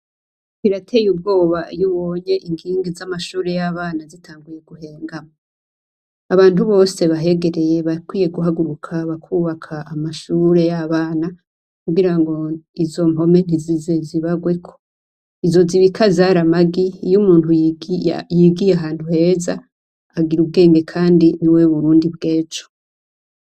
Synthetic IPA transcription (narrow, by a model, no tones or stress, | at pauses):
wiɾatʰe̞ːjub̚ɡo̞ːβajuβoɲe̞ʔiŋɡiːŋɡizamaʃuːɾe̞jaβaːnazitʰaːŋɡuje̞ɡuhe̞ːŋɡama | aβaːn̥uβo̞ːse̞βaɦe̞ɡe̞ɾeje̞βakwiːje̞ɡuɦaɡuɾukʰaβakʰuːβakʰaʔamaʃuɾe̞jaβaːna | kuɡiɾaŋɡo̞izo̞mo̞me̞n̥izizeziβaɡwe̞kʰo̞ | izo̞ziβikʰazaɾamaɡiːjumuːnhuj | jiːɡijeaɦaːntuhe̞ːza | aɡiɾub̚ɡe̞ːŋɡe̞kʰaːndiniwe̞βuɾuːndibɡe̞ːt͡ʃo̥